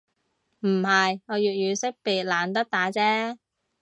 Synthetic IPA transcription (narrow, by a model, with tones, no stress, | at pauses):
m̩˨˩hɐ˨jŋɔː˨˧jyː˨˩t̚jyː˨˧sɪ˥k̚piː˨t̚laː˨˧nt̪ɐ˥k̚t̪aː˨˥t͡sɛː˥